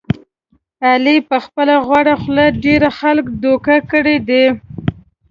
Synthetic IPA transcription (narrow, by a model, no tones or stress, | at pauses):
alipəxpəlaɣwaɽaxlaɖeɾaxalkd̪okakəɽed̪e